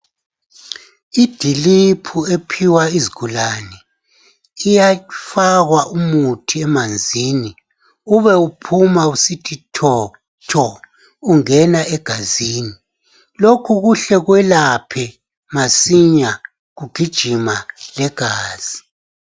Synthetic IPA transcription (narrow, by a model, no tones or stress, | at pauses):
id̥ʱilipʰuepʰiwaiziɡ̥ʱulanɛ | ijafaɣwaʔumutʰiɛmand͡zʱiːni | uβɛupʰumausitʰitʰɔ | tʰɔ | uŋɛnaɛɡ̥ʱaziːni | lokʰuɣuɬɛɣwɛlapʰɛ | masiɲa | ɣuɡ̥ʱid̥ʒ̥ʱimalɛɡ̥ʱaːz̥i